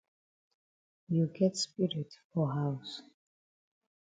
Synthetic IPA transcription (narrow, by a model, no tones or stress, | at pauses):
juɡɛtspʼiɾɪtʰfɔɦaws